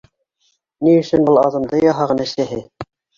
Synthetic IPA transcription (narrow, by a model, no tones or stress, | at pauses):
niɵ̆sɵnbɤlˠɑðɤ̆md̪ɤjɑɦɑʁɤ̆nɑ̆ʃæɦɘ